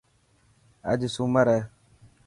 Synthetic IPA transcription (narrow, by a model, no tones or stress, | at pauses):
a̰d͡ʒisumaɾɛ